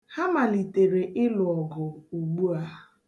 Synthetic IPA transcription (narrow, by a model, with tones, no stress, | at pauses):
ha˦ma˨li˨te˨ɾe˨ʔɪ˦lʊ˨ɔ˨ɡʊ˨o˨ɡ͡bu˦a˦